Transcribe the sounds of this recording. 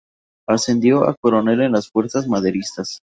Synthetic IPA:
ase̞nd̪jo̞a̰koɾo̞ne̞lenlasfwe̞ɾsazmað̞e̞ɾist̪as

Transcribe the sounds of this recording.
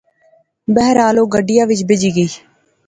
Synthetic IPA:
bɛɦɾaːloːɡəɖɪjaːʋɪt͡ʃbɪd͡ʒiːɡəiː

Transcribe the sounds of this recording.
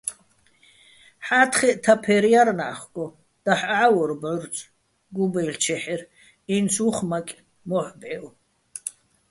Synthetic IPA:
ħaːt̪ʰχɛʔt̪ʰapʰɛɾijarnaχɡʼɔ | d̪̥aħʕawɔɾbʕʊɾt͡sʼ | ɡubɛjlt͡ʃʰɛħɛr | insʰuχmakʼ | mɔħbʼɛw

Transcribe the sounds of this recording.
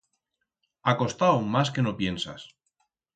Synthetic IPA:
ako̞st̪awmaske̞nopje̞nsa̰s

